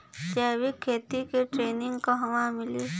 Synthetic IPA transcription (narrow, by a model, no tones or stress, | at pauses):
d͡ʒɛːʋikʰːeːt̪ikeʈɾeːnɪŋɡkoɦɐʋãmɪli